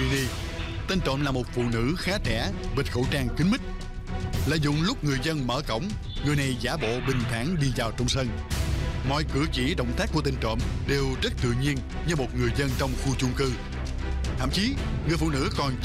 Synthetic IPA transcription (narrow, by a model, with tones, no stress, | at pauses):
i˧ɗi˧t̪ə˧nt͡ɕə̰˧˨mlaː˨˩mo˨˩t̚fṵ˧˨nɨ̰˧˥xaː˨˦˥t͡ɕɛ̰˧˩ɓi˨˩t̚xə̰˧˥˩wt͡ɕaː˧ŋkï˨˦ŋmï˦˥k̟̚ | lə̰ː˧˨jzʊ̰˧˨ŋ͡mlʊ˦˥k͡p̚ŋɨ˨˩əjzə˧nməː˧˩kə̰˧˥˨wŋ͡m | ŋɨ˨˩əjna˨˩jzaː˧˦ɓo̰˧˨ɓï˨˩ŋ̟t̪ʰaː˧˩ŋɗi˧zaː˨˩wt͡ɕɔ˧wŋ͡msə˧n | mɔ̰˧˨jkɨ˧˩ət͡ɕḭ˧˥ɗə̰˧˨wŋ͡mt̪ʰaː˦˥ku˧˩ət̪i˧ŋt͡ɕə̰˧˨mɗe˨˩wzə˦˥t̚t̪ɨ̰˧˨ɲi˧ən | ɲɨ˧mo˨˩t̚ŋɨ˨˩əjzə˧nt͡ɕɔ˧wŋ͡mxu˧t͡ɕʊ˧ŋ͡mkɨ˧ | t̪ʰə̰˧˨mt͡ɕi˨˦ŋɨ˨˩əjfṵ˧˨nɨ̰˧˥kɔ˨˩n